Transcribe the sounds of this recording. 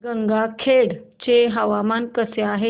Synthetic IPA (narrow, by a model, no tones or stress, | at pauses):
ɡəŋɡakʰeɽt͡ɕeɦəʋamankəseaɦe